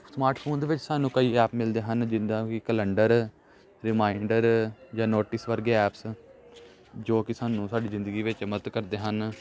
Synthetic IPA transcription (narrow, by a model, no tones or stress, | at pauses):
smaːɾʈpʰoːnd̪eːʋɪt͡ʃsaːnːũːkəiːɛːpmɪld̪eːɦənd͡ʒɪnd̪ãːkɪkələɳɖəɾ | ɾɪmaːɪɳɖəɾd͡ʒãːnoːʈɪsʋəɾɡeːɛːps | d͡ʒoːkɪsaːnũːsaːɖiːzɪ̃nd̪əɡiːʋɪt͡ʃmət̪kəɾd̪eːɦən